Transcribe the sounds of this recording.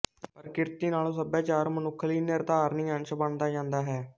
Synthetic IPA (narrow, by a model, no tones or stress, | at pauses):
pəɾkɪɾt̪iːnaːlõːsəbaːt͡ʃaːɾmənʊkʰːəliːnɪɾd̪aːɾnĩːənʃbəɳd̪aːd͡ʒãːnd̪aːɦɛː